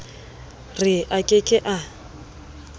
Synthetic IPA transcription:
rɪʔakʼɪkʼɪʔa

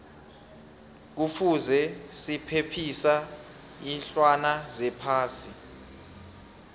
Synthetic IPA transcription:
k̬ufuzɛsipʰepʰisa | inɬwanazɛpʰaːsi

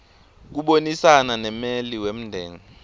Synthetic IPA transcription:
k̬uɓonisananɛmeliwem̩ndʱɛ̰ːŋɛ

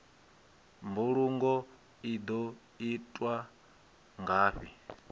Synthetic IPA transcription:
mbuɺuŋɡɔ | id̪ɔ | itʼwa | ŋɡaːɸi

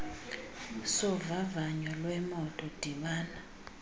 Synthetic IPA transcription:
sɔvavaɲɔlwɛmɔtʼɔd̥ʱiɓaːna

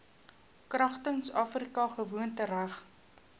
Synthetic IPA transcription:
krɐχtəŋsɑːfrikɐχəvuəntəɾæχ

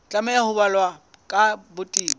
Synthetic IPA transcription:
t͡ɬʼamajahʊbalwa | kʼabʊtʼiːb

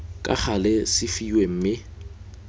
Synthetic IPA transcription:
kʼa̰χʰalɛsɪfiwem̩mɪ

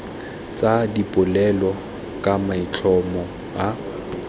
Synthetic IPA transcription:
t͡sʼadipʼʊlɛlɔ | kʼamait͡ɬʰɔmɔ | a

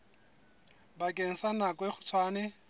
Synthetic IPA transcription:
bakʼeŋ̩sanakʼweχʊ̥t͡sʰwaːnɪ

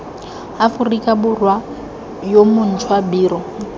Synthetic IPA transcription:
afʊrikʼabʊrwa | jomʊn̩tʰwabiːrɔ

